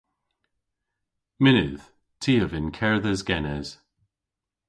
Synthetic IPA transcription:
mɪnʉð̥ | tʰiːəvɪnkʰɛɹðəzɡɛnɛz̥

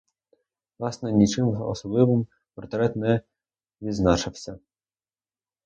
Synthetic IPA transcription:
vlˠɑsnɛnʲit͡ʃɪmɔ̰sɔblˠɪʋɪm | pɔɾrt̪ɾɛt̪nɛ | ʋʲiznɑʃɪwsʲɐ

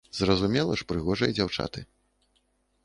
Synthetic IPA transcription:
zrɐzumʲɛlˠɐʂpɾɨɣɔʐɐjd͡zʲawt͡ʂa̰t̪ɨ

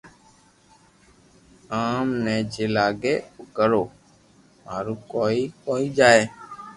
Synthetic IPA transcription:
aːmnɛ̃ːd͡ʒelaːɡeːʊkəɾoː | maːɾuːkoːiːkoːiːd͡ʒaːeː

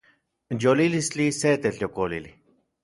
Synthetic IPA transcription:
jolilist͡ɬiset̪et͡ɬjokolili

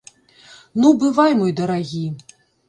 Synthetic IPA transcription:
nubɨvajmujd̪ɐɾaɣʲi

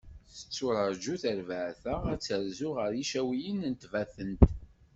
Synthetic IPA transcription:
θə̥t͡sːʊɾəɾˤd͡ʒuθəɾvəʕθəʁæt͡sːəɾzuʁəɾjiʃæwijənənt̪væθənt̪

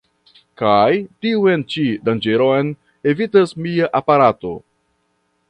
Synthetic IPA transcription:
kajtiuent͡ʃidand͡ʒe̞ɾoen | evitasmiaʔapaɾato̞̰

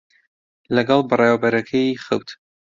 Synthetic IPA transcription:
lɐɡɑlˠbɨrˤewɐbɐɾɐkʰɐjiχɨ̰wt̪

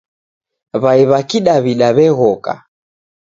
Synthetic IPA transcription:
βaiβakiɗaβiɗaβɛɣɔka̰

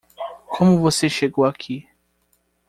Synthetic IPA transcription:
kʰɔmuvɔsɛʃɛkwakʰi

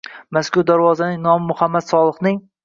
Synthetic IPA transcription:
maskʊɾd̪aɾvɒzanɪŋnɒmɪmʊhamːad̪sɒlˠɨχnɪŋ

